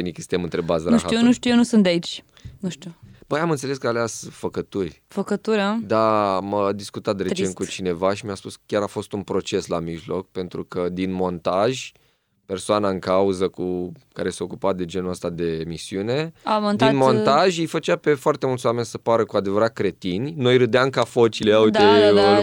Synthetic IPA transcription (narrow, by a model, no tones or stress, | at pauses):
enikest̪emɨnt̪ɾebazɾaʃxaujenuʃt̪ʲujenusunt̪d̪eait͡ʃʲ | nuʃt̪ʲub̥əjamɨnt̪sele̞skəaleasfəkət̪urʲfəkət̪uɾəd̪aməd̪iskut̪at̪d̪ɾet͡ʃen̚kut͡ʃine̞vaʃimʲaspuskʲjaɾafo̞st̪unpɾo̞t͡ʃe̞slamiʒlo̞k̚pe̞nt̪ɾukəd̪inmo̞nt̪aʒʲ | pe̞rsoanaɨŋkauzəkukaɾeseo̞kupat̪̚d̪e̞d͡ʒe̞nuəst̪ad̪e̞misiune̞amod̪inmo̞nt̪aʒʲijfət͡ʃape̞foart̪emult̪sowame̞nʲsəpaɾəkuad̪e̞vəɾat̪̚kɾe̞t̪inʲno̞jɾɨd̪eamkafot͡ʃileaud̪e